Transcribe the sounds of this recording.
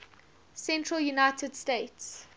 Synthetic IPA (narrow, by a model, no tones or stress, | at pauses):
sɛ̃ntʰɹəljunaɪtʰədsteɪts